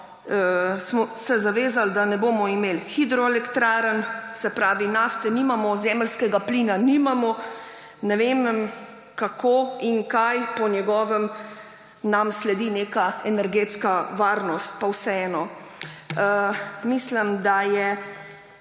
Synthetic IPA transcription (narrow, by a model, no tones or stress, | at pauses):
əsmɔsɛzaʋeːzald̪anɛboːmɔimeːlxid̪ɾɔɛlɛkt̪ɾaːɾənsɛpɾaːʋinaːft̪ɛnimamɔzɛːməlskɛɡaplinanimamɔ | nɛʋem | kakʰoːiŋkajpɔnjɛɡɔːʋəm | namslɛd̪ineːkaɛnɛɾɡeːt̪skaʋaːɾnɔst̪̚pawsɛɛːnɔ | əmisləmd̪ajɛ